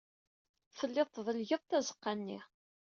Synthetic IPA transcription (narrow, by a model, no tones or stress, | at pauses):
fəlːɪðˤθðˤəlʝəðˤt̪æzə̥qːanːḭʁ